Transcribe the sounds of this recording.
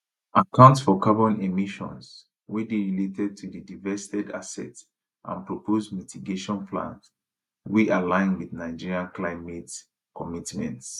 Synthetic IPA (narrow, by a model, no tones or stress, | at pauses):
akʰãʊ̃ntsfɔkabɔ̃nemiʃɔ̰̃ns | widiɹiletʰɛd̚tʰudidivɛstɛda̰sɛ̰t | ʔã̰npɹɔpʰozmitiɡeʃɔ̃nplã̰nt | wiʔalãɪ̃nwiðnaɪd͡ʒiɹiãnklaɪmɛt | kɔmitmɛ̰̃nts